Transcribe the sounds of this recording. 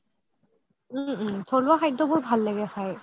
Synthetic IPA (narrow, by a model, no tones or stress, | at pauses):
tʰɔluaxʰajt̚dɔbʊɹbʱalːɛɡɛxʰaj